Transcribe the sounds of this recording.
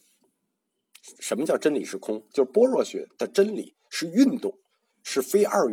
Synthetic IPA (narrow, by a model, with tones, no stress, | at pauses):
ʂə˧˥nmə˧t͡ɕjɑ˥˩ʊʈ͡ʂə˥nli˨˩ʂɻ̩˥˩kʰʊ˥ŋt͡ɕjo˥˧ʊpwɔ˥ɻwɔ˥˩ɕɥɛ̰˧˥d̪̥ə˧ʈ͡ʂə˥nlḭ˨˩ | ʂɻ̩˥˧y˥˧nt̪ʊ˥˩ŋ | ʂɻ̩˥˩fe˥ɪʔa˞˥˩